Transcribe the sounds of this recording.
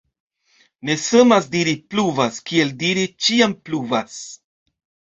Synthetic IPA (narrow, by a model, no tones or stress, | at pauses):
ne̞samasdiɾipluvaskie̞ldiɾit͡ʃiampluvas